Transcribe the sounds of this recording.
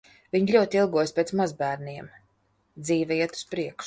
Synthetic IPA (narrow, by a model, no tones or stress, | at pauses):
vʲiɲlʲuɔt̪ʲilˠɡuɔjspʲeːt̪smazbæːɾniɛm | d̪ziːvɛiɛt̪u̥spɾiɛkʃ